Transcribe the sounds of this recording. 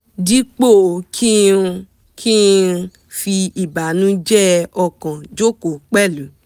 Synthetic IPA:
di˦k͡po˦˨kʰi˦˧ | kʰi˦ | fi˧i˨ba˨nũ˦d͡ʒɛ˦ɔ˧kã˨d͡ʒo˦ko˨k͡pɛ˦˨lu˨

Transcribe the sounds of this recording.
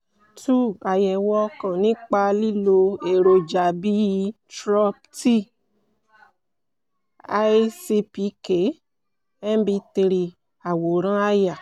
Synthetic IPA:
tu˦˨a˨jɛ˨wɔ˧kã˨nĩ˨˦k͡pa˧li˦lo˧e˨ɾo˨d͡ʒa˨bi˦i˧tɾɔ˦p̚ti˦ | a˦i˦si˧pi˨˦ke˨˦ | ɛ˦n˦bi˧˦ti˧ɾi˧ | a˨wo˨ɾ̃ã˦a˦ja˨

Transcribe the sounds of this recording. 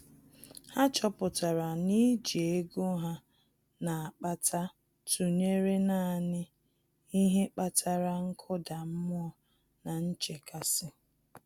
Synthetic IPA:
ha˦t͡ʃɔ˦pʊ˨ta˨ɾa˨ni˦d͡ʒi˨e˦ɡo˦ɦa˦ | na˨a˨k͡pa˦tʰa˦ | tu˨ɲe˦ɾe˦na˦˨nɪ˦ | i˦ɦe˦k͡pa˦tʰa˨ɾa˦ŋ̩˦kʰɔ˦da˨m̩˦mʊ˦ɔ˦ | na˨n̩˦t͡ʃe˨ka˨sɪ˦

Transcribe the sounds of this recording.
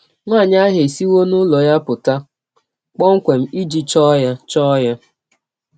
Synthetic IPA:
ŋʷaː˦˨ɲa˦ɦe˨si˦wo˦nʊ˦lɔ˨ja˦pʊ˨ta˦ | k͡pɔ˦ŋ̩˦kʷe˨m̩˦i˦d͡ʒi˦t͡ʃɔ˦ja˦t͡ʃɔ˦ja˦

